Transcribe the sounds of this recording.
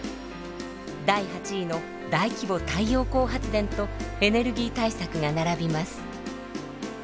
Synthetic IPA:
d̪aihat͡ɕiːno̞ | d̪aikʲibo̞t̪aijo̞ːko̞ːɦat͡sɨd̪ẽ̞nt̪o̞e̞ne̞ɾɯ̟ɡʲiːt̪aisakɯ̟ɡanaɾabʲimasɨ̥

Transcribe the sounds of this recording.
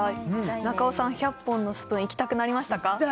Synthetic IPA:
nakaosãɰ̃çapːõ̞nːo̞ɕɨ̥pɯ̟̃ɰ̃ikʲi̥t̪akɯ̟naɾʲimaɕi̥t̪aka

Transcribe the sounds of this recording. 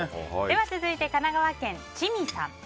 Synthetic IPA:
d̪e̞βat͡sɨzɨit̪e̞kanaɡaβakẽ̞nt͡ɕimʲisã̰m

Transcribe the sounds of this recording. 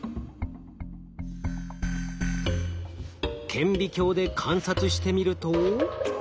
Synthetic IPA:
kʰẽ̞mbʲikʲo̞ːd̪e̞kʰãɰ̃sat͡sɨɕi̥t̪e̞mʲiɾɯ̟t̪o

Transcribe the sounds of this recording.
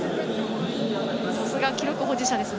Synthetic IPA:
sosɨɡakʲiɾo̞kɯ̟ɦoːd͡ʑiɕad̪e̞sɨn

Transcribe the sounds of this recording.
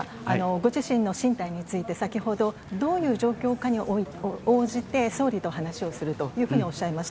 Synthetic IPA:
a̰no̞ɡo̞ʑiɕĩnːo̞ɕĩnt̪aiɲ̟it͡sɨit̪e̞sakʲiho̞d̪o̞ | d̪o̞ːjɯ̟ːʑo̞ːkʲo̞ːkaɲ̟iooːʑit̪e̞so̞ːɾʲit̪o̞hanaɕio̞sɨɾɯ̟t̪o̞jɯ̟ːɸɯɯ̟ːɲ̟io̞ɕːaemaɕi̥ta

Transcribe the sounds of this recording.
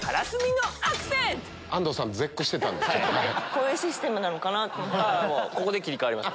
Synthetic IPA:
kʰaɾasɨmʲinoakɯ̥sẽ | ãnd̪o̞sãnd͡zekːoɕi̥t̪e̞t̪ã̰nd̪eekoːjɯːɕisɨ̥t̪e̞mɯ̟nano̞kanat̪ːomoko̞ko̞d̪e̞kʲiɾʲikaβaɾʲimaɕ

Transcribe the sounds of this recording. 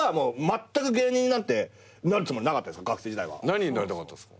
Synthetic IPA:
mo̞ːmat̪ːakɯ̟ɡe̞ːɲ̟ĩɲ̟inãt̪ːe̞ | naɾɯ̟t͡sɨmo̞ɾʲinakat̪ːad̪esɨ̥kaɡakɯ̟̥se̞ːd͡ʑid̪a̰ḭβa̰naɲʲiɲinaɾet̪akat̪ːae̥sk

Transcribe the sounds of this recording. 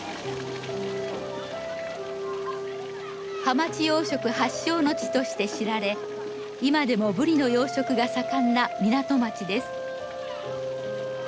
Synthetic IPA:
hamat͡ɕijo̞ːɕo̞kɯ̟haɕːo̞ːno̞t͡ɕi̥t̪o̞ɕi̥t̪e̞ɕiɾaɾe̞ | imad̪e̞mo̞bɯ̟ɾʲino̞jo̞ːɕo̞kɯ̟ɡasakãnːamʲinat̪o̞mat͡ɕid̪e̞sɨ̥

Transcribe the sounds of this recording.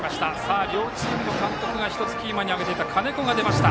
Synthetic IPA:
maɕi̥t̪asaːɾʲo̞ːt͡ɕiːmɯ̟no̞kãnt̪o̞kɯ̟ɡaçi̥t̪o̞t͡sɨ̥kʲiːmaɲ̟iaɡe̞t̪e̞t̪akʰane̞ko̞ɡad̪e̞maɕi̥t̪a

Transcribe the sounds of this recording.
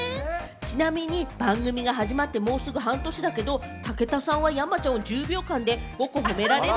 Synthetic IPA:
t͡ɕinamʲiɲ̟ibãŋɡɯ̟mʲiɡaɦaʑimat̪ːe̞mo̞ːsɨɡɯ̟ɦãnt̪o̞ɕid̪ake̞d̪o̞ | t̪ake̞t̪asãɰ̃βajamat͡ɕãod͡ʑɨːbʲo̞ːkãnd̪e̞ɡ̥o̞ko̞ɦo̞me̞ɾaɾe

